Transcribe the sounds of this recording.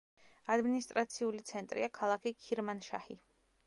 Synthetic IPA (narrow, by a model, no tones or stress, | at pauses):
ad̪minist̪ʼɾat̪sʰiulit̪sʰɛnt̪ʼɾḭakʰalˠakʰikʰiɾmanʃa̰hḭ